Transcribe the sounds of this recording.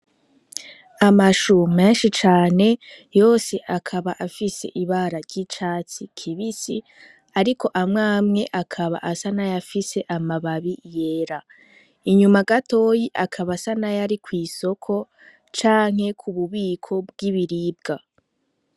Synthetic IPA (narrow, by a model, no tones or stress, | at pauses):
amaʃume̞ːnʃit͡ʃaːne̞jo̞ːse̞ʔakʰaβaʔafise̞̰ʔiβaːɾaɾɟit͡ʃaːt͡sikʰiβisi | aɾikʰo̞ʔamŋaːmŋe̞ʔakʰaβa̰ʔasanajafise̞ʔamaβaβije̞ːɾa | iɲumaɡato̞ːjiʔakʰaβasanajaɾikwiːso̞kʰo̞ | t͡ʃaːŋ̥he̞kʰuβuβiːkʰo̞bɡiβiɾib̚ɡa